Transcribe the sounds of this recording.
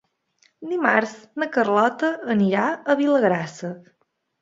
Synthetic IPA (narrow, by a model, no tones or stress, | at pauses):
d̪imaɾznəkərlɔt̪əːniɾaəβiləɣɾasə